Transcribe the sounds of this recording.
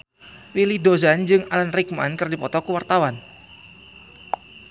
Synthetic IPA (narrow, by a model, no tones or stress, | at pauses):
wilidozand͡ʒɨŋalanrikmankɨrdipɔt̪ɔkuwart̪awan